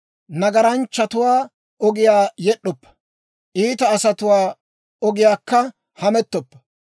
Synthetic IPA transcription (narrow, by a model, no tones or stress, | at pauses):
nɐɡɐɾɐnt͡ʃːɐt̪ʊwaː | ʔɔɡɪjaːjɛɗːɔpːɐ̥ | ʔiːt̪ɐːsɐt̪ʊwaː | ɔɡɪjaːkːɐ | hɐmɛt̪ːɔpːɐ̥